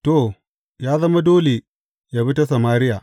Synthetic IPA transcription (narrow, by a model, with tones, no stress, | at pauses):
to˦˨ | jaː˦zɐ˦ma˦doː˦le˨ | ja˨bi˦ta˦s̬ɐ˨maː˦ɾɪ˦jaː˨